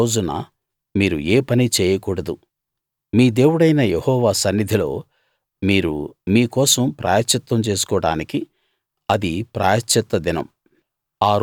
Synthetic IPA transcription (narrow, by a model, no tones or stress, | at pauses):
oːd͡ʒunɐ̰ | miːɾueːpɐnit͡ʃɛːjɐkuːɽɐd̪u | miːd̪e̞ːwuɽɐjnɐjehɔːʋaːsɐnːid̪ʱilo̞ː | miːɾṵmiːkɔːsɐmpɾʔa̰ːjɐt͡ʃːɐt̪ːɐmt͡ʃe̞ːsu̥kɔːɽa̰ːniki | ɐd̪ipɾa̰ːjɐt͡ʃːɐt̪ːɐd̪inɐ̰m | aːɾ